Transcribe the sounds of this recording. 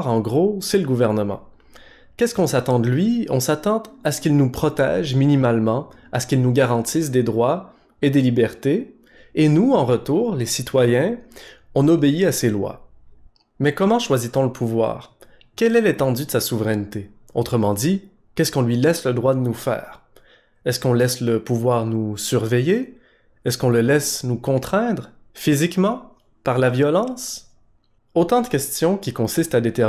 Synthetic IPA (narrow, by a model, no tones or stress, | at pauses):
ʁɑ̃ɡʁoseləɡuvɛʁnəmɑ̰̃ | kʲɛskɔ̃sat̪ɑ̃d̪əlɥiɔ̃sat̪ɑ̃d̪asə̥kilnupχɔt̪ɛ̰ʒminimalmɑ̃ | asə̥kʲilnuɡʲaʁɑ̃t̪is̬d̪ed̪ʁwa | ed̪elibɛʁt̪eː | nuɑ̃ʁət̪uːʁlesit̪wajɛ̃ɔ̃nobeiaselwa̰ | mɛkɔmɑ̃ʃwazit̪ɔ̃ləpʰuvwa̰ːʁ | kʲɛlɛlet̪ɑ̃d̪yd̪əsasuvʁɛnt̪e | ot̪χəmɑ̃d̪i | kʲɛskɔ̃lɥilɛsləd̪ʁwad̪ənufɛ̰ːʁ | ɛskɔ̃lɛsləpuvwaːʁnusyʁveje | ɛskɔ̃ləlɛsnukɔ̃t̪χɛ̃d̪ʁ | fizikmɑ̃ | paʁlavjɔlɑ̃ːs | ot̪ɑ̃d̪əkʲɛst̪jɔ̃kʲikɔ̃sist̪ad̪et̪ɛ